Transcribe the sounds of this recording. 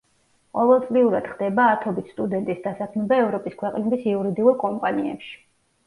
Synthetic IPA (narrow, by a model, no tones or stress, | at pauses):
qʼɔvɛlˠt̪sʼliuɾad̪̥χd̪ɛbaːt̪ʰɔbit̪st̪ʼud̪ɛnt̪ʼisd̪asakʰmɛbaɛvɾɔpʼiskʰwɛqʼnɛbisiuɾid̪iuɾkʼɔmpʼaniɛ̰pʃi̥